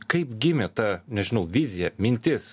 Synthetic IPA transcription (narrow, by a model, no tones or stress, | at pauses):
kɐɪpɡʲɪmʲɛt̪ɐnʲɛʒʲɪnɐʊʋʲɪzʲɪjɛmʲɪnʲt̪ʲɪs